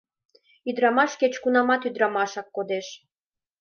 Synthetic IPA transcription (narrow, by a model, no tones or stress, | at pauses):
yd̪ɾɑmɑʃket͡ɕkunɑmɑt̪yd̪ɾɑmɑʃɑkːod̪eʃ